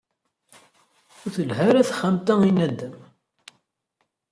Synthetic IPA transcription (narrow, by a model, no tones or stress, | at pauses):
ʊθəlɦæɾæθχəmt̪æinæd̪ːəm